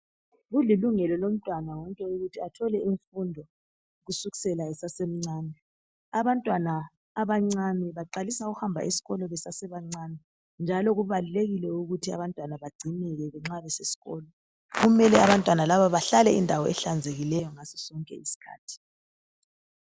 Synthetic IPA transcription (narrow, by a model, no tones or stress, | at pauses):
ɣuliluŋɛlɔlom̩tʼwanawɔŋkʼɛuɣutʰiatʰɔlɛʔiɱfundʱɔ | ɣusuɣi̥sɛlaɛsasem̩ŋ͡ǀaːnɛ | aβantʼwanaː | βaŋ͡ǀanɛβaǃalisauɣuhambʱa̰ʔesi̥ɣɔlɔβɛsasɛβaŋ͡ǀanɛ | nd͡ʒʱalɔɣuβaluleɣilɛuɣutʰia̰βantʼwanaβaɡ͡ǀʱinɛɣɛβɛŋ͡ǀaβɛsesi̥ɣɔːlɔ | ɣumɛlɛaβantʼwanalaβaβaɬalɛindʱawɔɛɬand͡zʱeɣilɛjɔŋasɔ̥sɔŋkʼɛ̰isi̥kʰa̰ːtʰi̥